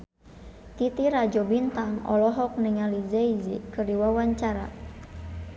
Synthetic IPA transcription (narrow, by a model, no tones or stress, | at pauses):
k̪it̪iɾad͡ʒɔbint̪aŋɔ̰lɔɦɔk̚niŋalizɛizikɨrdiwawaɲt͡ʃaɾa̰